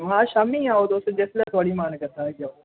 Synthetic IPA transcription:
ɦãːʃaːmĩːãːot̪osd͡ʒeslãt̪ʰoːɽiːmaːnkəɾt̪aɦɛkjaːo

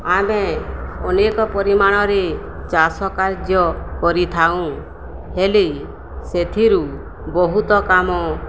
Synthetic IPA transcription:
ameɔnekɔpɔɾimaɽ̃ɔɾe | t͡ʃasɔkaɾd͡ʒjɔkɔɾit̪ʰaw̃ | heli | set̪ʰiɾu | bɔɦut̪ɔkamɔ

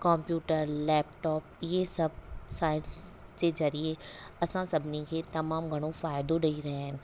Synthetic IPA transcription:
kɔ̃ːmpjuːʈəɾlɛːpʈɔːp̚jesɐb̚saːɪnsd͡ʒed͡ʒɐɾieɐsãsɐbniket̪ɐmaːmɡʱəɽ̃õfaːjd̪oɖəiɾɐɦɛ̃n

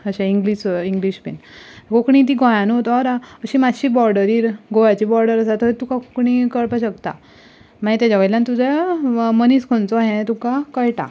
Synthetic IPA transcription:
əɕaiŋɡliɕiŋɡliɕpḛnkokɳĩt̪̬iɡɔ̃jãnɦot̪ɔɾaəɕimad͡zɕiːbɔɾɖəɾiːɾɡoʋat͡ɕiːbɔɾɖəɾəsat̪əet̪ukakokɳĩkəɭpaɕəkt̪a̰ | maɦit̪jat͡ɕaʋəjljãnt̪ud͡ʑaməniːskʰont͡sɔɦẽt̪ukakəjʈa̰

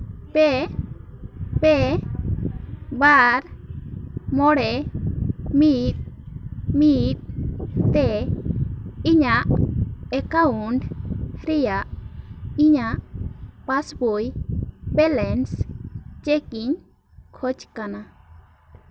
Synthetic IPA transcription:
pɛ | pɛ | baɾ | mɔɽɛ | mit̪̚ | mit̪̚t̪ɛ | iɲaʔɛkauɳɖɾɛjaʔ | iɲaʔpasbojbɛlɛnst͡ʃɛkiɲ | kʰɔt͡ʃkana

